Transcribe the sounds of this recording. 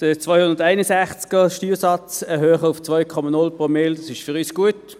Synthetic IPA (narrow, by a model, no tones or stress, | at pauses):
d̥ət͡svɔjhʊndədaɪnəsɛχt͡skəʃtyːsɑt͡sɛɦøːχəʊft͡svɔjkʰɔmanʊlpʁomɪldɑsɪʃfʏʁyːsɡ̥uət